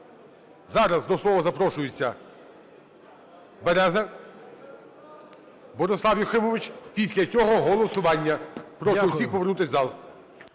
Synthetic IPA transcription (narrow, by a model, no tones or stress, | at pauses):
zɑɾɐzd̪ɔslˠɔʋɐzɐpɾɔʃʊjet͡sʲːɐ | beɾɛzɐ | bɔɾesˠɑwjɔxɪmɔʋɪt͡ʃpʲisʲlʲɐt͡sʲɔɦɔɦɔlˠɔsʊʋɑnʲːɐpɾɔʃɛʊsʲixpɔʋernut̪ɪsʲzɑlˠ